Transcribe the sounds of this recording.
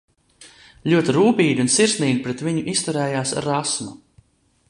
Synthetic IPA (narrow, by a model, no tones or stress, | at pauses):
lʲuɔt̪iɾuːpiːd̪ʲiunsiɾsniːd̪ʲipɾɛt̪viɲʊʔist̪uɾɛːjaːsɾasmu